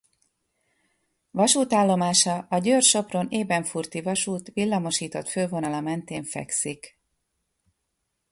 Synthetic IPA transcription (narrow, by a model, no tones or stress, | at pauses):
ʋɒʃuːt̪aːlːo̞maːʃɒʔɒɟøːrʃo̞pro̞neːbɛɱfurt̪ivɒʃuːt̪ʋilːɒmo̞ʃiːt̪o̞t̪føːvo̞nɒlɒmɛnt̪eːɱfɛ̰ksik